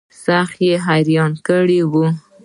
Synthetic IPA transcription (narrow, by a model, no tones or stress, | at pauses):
saxjeɦajɾjɑnkəɽiwu